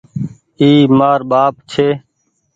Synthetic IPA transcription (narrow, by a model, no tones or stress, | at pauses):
iːmaːɾɓaːp̚t͡ʃʰeː